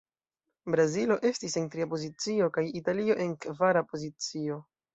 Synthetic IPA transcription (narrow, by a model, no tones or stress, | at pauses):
bɾazilo̞ʔe̞stise̞ntɾiapo̞zit͡sio̞kajitalio̞ʔe̞nkvaɾapo̞zit͡sio̞